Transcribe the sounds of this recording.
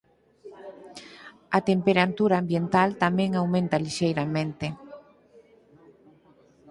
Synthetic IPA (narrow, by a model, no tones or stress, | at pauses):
at̪empeɾant̪uɾaːmbjent̪alt̪amɛ̃ŋawmẽnt̪aliʃejɾamẽnt̪e